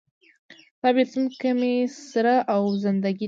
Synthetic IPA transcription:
t̪ɑbet̪unkəmesɾaʔawzɪnd̪aɡʲi

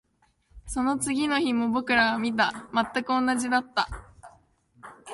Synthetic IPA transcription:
so̞no̞t͡sɨɡʲino̞çimo̞bo̞kɯ̟ɾaβamʲit̪̬amat̪ːakɯ̟õ̞nːaʑid̪at̪ːa

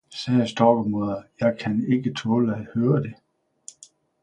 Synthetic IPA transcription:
sɛːsd̥ɒːɡ̥moðˠɐjɑ̈ɪkʰæne̝ɡ̥ət͡sʰɔːləæhøːɐd̥e̝

